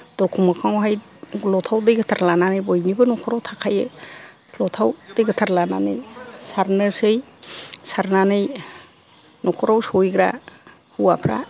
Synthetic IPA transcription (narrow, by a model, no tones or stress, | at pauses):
d̥ɔɾkʰumakʰaŋɦaj | lɔtʰawdɯjɡɯtʰaɾlananɯjbɔjmnibɯnɔkʰɔɾawtʰakʰajɯ̰ | lɔtʰawd̥ɯjɡɯtʰaɾlananɯjsaɾnɯsɯj | saɾnanɯj | nɔkʰɔɾawsɔjɡɾa̰ | huwapʰɾa̰